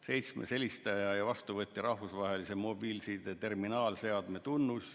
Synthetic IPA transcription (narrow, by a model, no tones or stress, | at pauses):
se̞jt̪smḛse̞lʲist̪ɑjɑjɑvɑst̪uvɤt̪ʲːiɾɑhvusvɑɦe̞lisemo̞bilsid̪et̪e̞rminɑːlse̞ɑd̪̥me̞t̪unːus